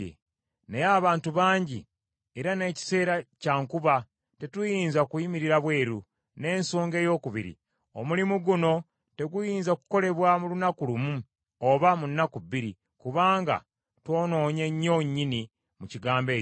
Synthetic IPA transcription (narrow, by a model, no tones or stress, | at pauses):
ḛ | nejaːβaːntuβaːɲɟi | eɾane̞ːci̥se̞ːɾacaːŋkuβa | te̞tujiːnzakujimiɾiɾaβwe̞ːɾu | ne̞ːnso̞ːŋɡe̞ːjo̞ːkuβḭɾḭ | o̞mulimuɡuno̞ | te̞ɡujiːnzaku̥ko̞le̞βwamulunakulumu | oβamunːakuβiɾi | kuβaːŋɡa̰ | two̞ːno̞ːɲe̞ɲːo̞ɲːini | muciɡaːmbe̞ː